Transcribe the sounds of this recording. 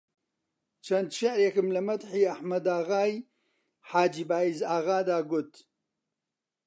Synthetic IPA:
t͡ʃʰɐnd̪ʃɐʕɾekɨmlɨmɐd̪ħiːɐħmɐd̪aːɣaːj | ħaːd͡ʒiːbaːizaːɣaːd̪aːɡʊt̪

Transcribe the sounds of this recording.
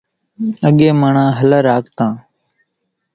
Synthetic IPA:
əɠeːmaːɳãːɦələɾaːkt̪ãː

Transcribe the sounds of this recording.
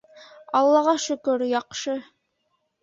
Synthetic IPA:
ɑlˠːɑʁɑʃɵ̆kɵɾjɑqʃɤ

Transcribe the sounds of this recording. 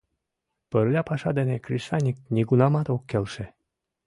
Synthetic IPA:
pərlʲɑpɑʃɑd̪enekɾʲiʃɑnʲik̚nʲiɡunɑmɑt̪okːelʃe

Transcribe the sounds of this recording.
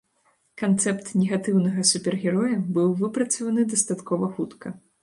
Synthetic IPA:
kant̪sɛpt̪nʲɛɣat̪ɨwnɐɣɐsupʲɛrɣʲɛɾɔjɐbɨwvɨpɾɐt̪sɐvɐnɨd̪ɐst̪at̪kɔvɐxut̪kɐ

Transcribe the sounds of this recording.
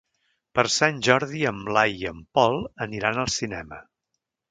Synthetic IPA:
pəɾsanʲʒɔɾðiəmblajiəmpɔlˠəniɾanəlˠsinɛmə

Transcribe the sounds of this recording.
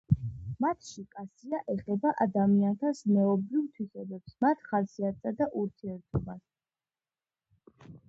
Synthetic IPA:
mat̪ʰʃikʼasiaʔɛχɛbaʔad̪amiant̪ʰasmɛɔbɾivt̪ʰwisɛbɛpsmat̪ʰχasiat̪sad̪aʔuɾt̪ʰiɛɾt̪ʰɔbas

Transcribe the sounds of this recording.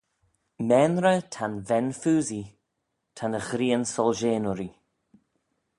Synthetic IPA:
mɛnɾətʰanvɛnfuːzi | tʰanəxɾiːənsɔlʒeːnʊɾi

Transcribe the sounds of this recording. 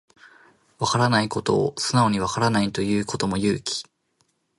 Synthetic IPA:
βakaɾanaiko̞t̪o̞ːsɨnao̞ɲ̟iβ̞akaɾanait̪o̞jɯ̟ːko̞t̪o̞mo̞jɯ̟ːkʲi̥

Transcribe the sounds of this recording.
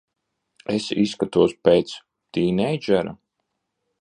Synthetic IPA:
esisːkat̪uɔspeːt̪s | t̪iːnejd͡ʒɛɾa

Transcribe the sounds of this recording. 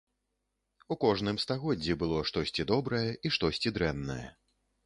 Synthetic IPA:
ukɔʐnɨmst̪aɣɔd͡zʲːibɨlˠɔʂt̪ɔsʲt͡sʲid̪ɔbɾɐjɛʔiʂt̪ɔsʲt͡sʲid̪ɾɛnːɐ̰jɛ̰

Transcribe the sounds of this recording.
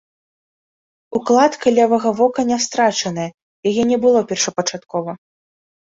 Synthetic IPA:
uklˠat̪kalʲɛvɐɣɐvɔkɐnʲɛst̪ɾat͡ʂɐnɐjɐ | jajɛnʲɛbɨlˠɔpʲɛrʂɐpɐt͡ʂat̪kɔvɐ

